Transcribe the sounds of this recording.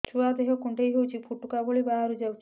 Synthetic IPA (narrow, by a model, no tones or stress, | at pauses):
t͡ʃʰuad̪eɦɔkuɳʈejɦewt͡ʃʰipʰuʈukabɔɭibaɦaɾud͡ʒawt͡ʃʰ